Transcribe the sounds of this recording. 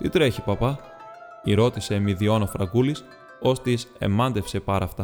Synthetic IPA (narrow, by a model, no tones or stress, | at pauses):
t̪it̪ɾe̞çipɐpɐ | iɾo̞t̪ise̞miðio̞nofɾɐ̰ɡulis | o̞st̪ise̞̰mɐnd̪e̞fsepɐɾɐft̪ɐ